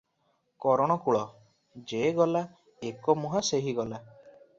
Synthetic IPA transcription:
kɔɾɔɽ̃ɔkuɭɔ | d͡ʒeɡɔla | ekɔmuɦaseɦiɡɔla

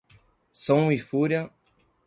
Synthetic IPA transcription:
sõwifuɾjɐ

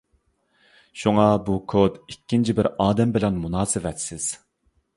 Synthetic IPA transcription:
ʃuŋɑbukʰod̪ikʲːint͡ʃʰibɪɾɑːd̪ɛmbɪlɛnmunɑːsɨvɛt̪sɪz̥

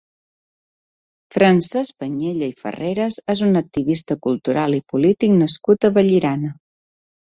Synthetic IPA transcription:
fɾənsɛzpəɲeʎəifə̰reɾəzezunək̚t̪iβist̪əkulˠt̪uɾʔalˠipulit̪iknəskut̪əβəʎiɾanə

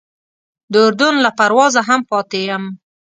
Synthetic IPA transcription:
d̪əʊɾd̪ʊnlapaɾwɑzaɦampɑt̪ejəm

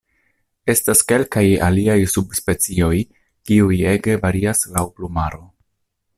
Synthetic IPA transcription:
e̞staske̞lkaja̰liajsubspe̞t͡sio̞j | kiuje̞ɡe̞vaɾiaslawplumaɾo

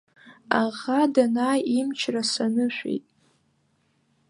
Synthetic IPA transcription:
aʁadanaːjimt͡ʃʰrasanɨʃʷᶣḛjtʼ

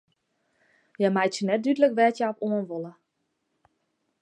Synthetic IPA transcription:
jɛmajtsənɛt̚dydələkʋɛtjaɔpoənʋolə

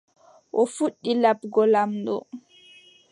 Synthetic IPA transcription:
ʔɔfuɗːilabɡɔlamɗɔ̰

